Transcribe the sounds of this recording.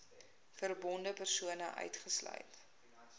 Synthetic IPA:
fərbɔndəpərsuənəʔœ̰ɥtχəslœ̰ɥt

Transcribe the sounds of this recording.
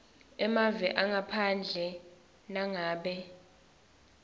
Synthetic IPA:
ɛmavɛʔaŋapʰand͡ɮʱɛ | naŋaːɓɛ

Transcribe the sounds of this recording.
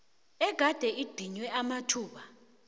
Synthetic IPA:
ɛɡ̥ʱad̥ʱɛid̥ʱiɲwɛamatʰuːɓa

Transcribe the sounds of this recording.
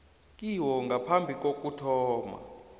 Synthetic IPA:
kʼiwɔŋɡʱapʰambʱik̬ʼok̬ʼutʰɔːma̰

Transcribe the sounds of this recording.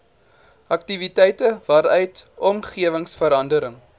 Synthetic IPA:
ʔɐk̚tivitɛjtəvɑɾœɥtɔmχiəvəŋsfəɾɐndəɾəŋ

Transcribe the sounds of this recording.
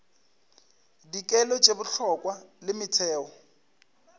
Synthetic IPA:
dikʼɛlɔt͡ʃʼebʊɬʰɔkʼwalɪmɪtʰɛːwɔ

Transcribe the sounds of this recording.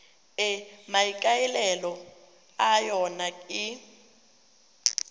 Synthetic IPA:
ɛmaikʼailɛlɔ | ajɔnaɪ

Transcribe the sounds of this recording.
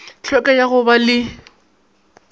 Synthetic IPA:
t͡ɬʰwɛkʼajaɣʊbalɪ

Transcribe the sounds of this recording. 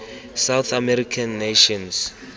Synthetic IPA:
sawθʰamɛɾikʰanːeʃɔ̃ns

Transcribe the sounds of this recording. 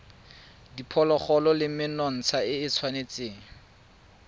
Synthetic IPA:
dipʰɔlɔχɔlɔlɪm̩mɪnɔn̩t͡sʰaɪɪt͡sʰwanet͡seːŋ̩

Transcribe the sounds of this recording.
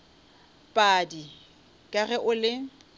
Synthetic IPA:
pʼadi | kʼaɣɛʔʊlɪ

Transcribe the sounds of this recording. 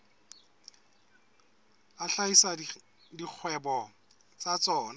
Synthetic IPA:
aɬaisa | dik͡xʰwɛbɔ | t͡sat͡sɔːna

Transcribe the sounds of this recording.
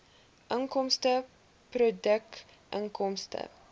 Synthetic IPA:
ʔəŋkɔmstə | prodək̚ | ʔə̰ŋkɔmstə̰

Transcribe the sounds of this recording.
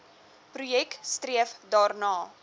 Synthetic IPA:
prujɛkstriəfdɑːrnɑː

